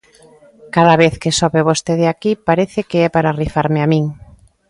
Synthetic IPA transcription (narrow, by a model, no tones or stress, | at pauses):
kaðaβeθkesɔβeβost̪eð̞eakipaɾeθɪkeɛpaɾarifaɾmɪamĩŋ